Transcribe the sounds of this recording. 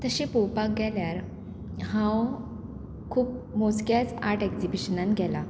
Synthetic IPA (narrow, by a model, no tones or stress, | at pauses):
t̪əɕepowpak̚ɡʱɛljaɾ | ɦãw | kʰuːp̚moskjat͡sa̰ɾʈɛkd͡zibiɕənãnɡʱɛla